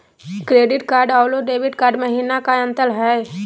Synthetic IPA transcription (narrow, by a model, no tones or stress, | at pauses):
kɾeːɖɪʈkaːɾɖaːloɖeːʋɪʈkaːɾɖməɦiːnakaə̃nt̪əlɦɛ